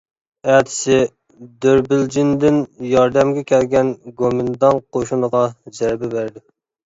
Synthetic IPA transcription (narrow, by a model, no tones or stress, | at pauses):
æːt̪ʰɪ̥sɪ | d̪øɾbɪld͡ʒind̪ɪnjɑɾd̪ɛmɡʲɛkʲʰɛlɡʲɛnɡomɪnd̪ɑnqʰoʃunəʁɑd͡ʒæɾbɛbæɾd̪ɪ